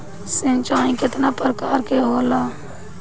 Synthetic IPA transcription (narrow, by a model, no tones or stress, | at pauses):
sɪ̃nt͡ʃaːĩkɪt̪napɾəkaːɾkeɦoːlaː